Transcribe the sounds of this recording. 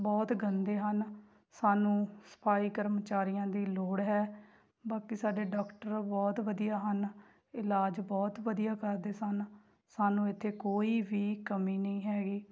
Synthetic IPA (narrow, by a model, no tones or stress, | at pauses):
bɔːt̪ɡənd̪eːɦən | saːnũːsə̥pʰaːiːkəɾmt͡ʃaːɾijãːd̪iːloːɽɦɛː | baːkiːsaːɖeːɖɔːkʈəɾbɔːt̪ʋəd̪ijaːɦən | ɪlaːd͡ʒbɔːt̪ʋəd̪ijaːkəɾd̪eːsən | saːnũːɪt̪ʰːeːkoːiːʋiːkəmiːnəĩːɦɛːɡiː